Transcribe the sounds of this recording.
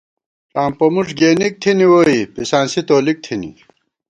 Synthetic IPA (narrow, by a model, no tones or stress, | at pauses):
aːmpɐmuʈ͡ʂɡeːnik̚t̪ʰiniwoːipisaːnsit̪oːlik̚t̪ʰinḭ